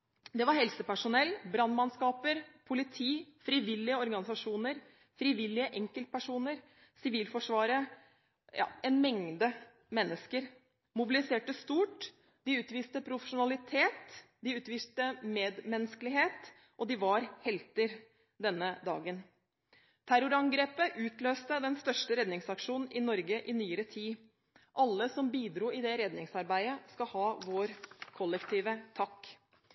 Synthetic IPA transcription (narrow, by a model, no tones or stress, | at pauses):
d̪ɛʋɑɾhɛlsəpæʂʊnɛlːbɾɑnmɑnskɑːpəɾpʰʊlɪt̪ʰiːfɾiːʋɪlːɪəɔɾɡɑnɪsɑʂuːnəɾ | fɾiːʋɪlːɪəʔɛŋkəlt̪̚pæʂuːnəɾ | sɪʋiːlfɔʂʋɑːɾə | jɑ̰ːɛnmɛŋd̪ə | mɛnːəskəɾ | mʊbɪlɪseːʈəst̪uːʈ | d̪ɪʉːt̪ʋiːst̪əpʰɾʊfəʂʊnɑlɪt̪ʰeːt̪d̪ɪʉːt̪ʋiːst̪əmeːd̪mɛnskəlɪɦeːt̪ | ʔɔd̪ɪʋɑɾhɛlt̪əɾ | d̪ɛnːəd̪ɑ̰ːɡən | t̪ʰæɾʊɾɑŋɡɾeːpəʔʉːt̪løːst̪əd̪ɛnst̪œʂʈəɾɛd̪nɪŋsɑkʂuːnn̩ʔɪnɔɾɡəʔɪnyːəɾət̪ʰiː | ʔɑlːəsɔmbiːd̪ɾuːɪd̪ɛɾɛd̪nɪŋsɑɾbæɪəskɑhɑːʋoːɾkʰɔlːɛkt̪ʰiːʋət̪ʰɑkː